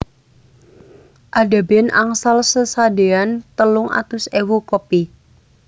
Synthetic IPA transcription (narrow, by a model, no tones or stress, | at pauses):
ʔada̤bena̰ŋsalsəsadeant̪əlʊŋʔa̰t̪ʊsewukɔpi